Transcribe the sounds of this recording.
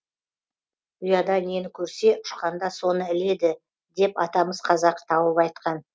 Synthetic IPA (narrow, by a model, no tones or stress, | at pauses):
ʊjɑd̪ɑne̞nkʲʰɵɾse̞ʔʊ̥ʃqɑnd̪ɑso̞nəɪle̞d̪ɪ | d̪e̞pɑt̪ɑməz̥qʰɑzɑqt̪ʰɑwəpɑjt̪̚qɑn